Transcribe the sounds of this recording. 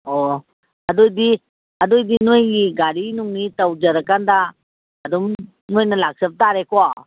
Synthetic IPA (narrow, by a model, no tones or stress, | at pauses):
ɔ | hadojdi | adojdinojŋiɡaɾinuŋnitawd͡ʒaɾakandaː | dɔm | nojnɐlak̚sɐp̚taɾekɔa